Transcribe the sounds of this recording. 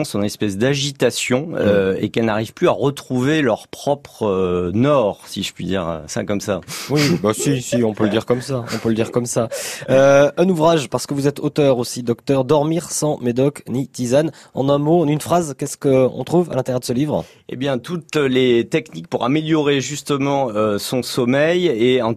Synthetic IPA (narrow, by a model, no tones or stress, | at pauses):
sɔ̃nɛspɛs̬d̪aʒit̪asjɔ̃øḛkɛlnaʁiv̥plyaʁət̪χuvelœʁpχɔpχønɔːʁsiʒəpɥid̪ḭːʁø̰sa̰kɔmsa̰wibasisiɔ̃pøləd̪iʁkɔmsaɔ̰̃pøləd̪iʁkɔmsaøɛ̃nuvʁaʒpaʁsə̥kəvuzɛt̪ʰot̪œʁosid̪ɔkt̪œʁd̪ɔʁmiʁsɑ̃med̪ɔknit̪izan | ɑ̰̃nɛ̃moɑ̃nynfχazkʲɛskəɔ̰̃t̪χuva̰lɛ̃t̪eʁjɛʁd̪əsəlivʁ | ḛbjɛ̃t̪ut̪let̪ɛknik̚puʁameljɔʁeʒyst̪əmɑ̃øsɔ̃sɔmɛjeɑ̃